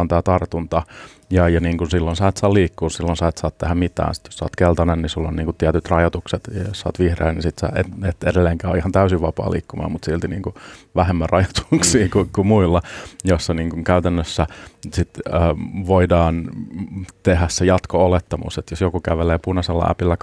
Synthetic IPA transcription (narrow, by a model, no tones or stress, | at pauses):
ont̪æːt̪ɑrt̪unt̪ɑ | jɑjɑniːŋkunsilːonsɑˑːt̪sɑːliːkːuːsilːonsɑˑːt̪sɑːt̪t̪ehæmmit̪æ̰ːnsi̥t̪jo̥ssɑ̰ːt̪kelt̪ɑnennisulːonniːŋkut̪t̪ːiæt̪yt̪rɑjɑt̪ukset̪jossɑ̰ːt̪ʋihrḛːnnisit̪sɑ̰ːeet̪edelːeːŋkæːo̰ihɑnt̪æysiʋʋɑpɑ̰ːlʔḭːkːumɑ̰ːmut̪silt̪inḭːŋkuʋæɦemːærɑjɑt̪u̥ksiːkukumuilːɑjosːɑniːŋkuŋkæyt̪ænːøsːæsit̪əːʋoidɑːn | t̪eɦæssejɑt̪koolet̪ːɑmṵset̪josjokukæʋeleːpunɑselːɑ̰ʔæ̰pilːæk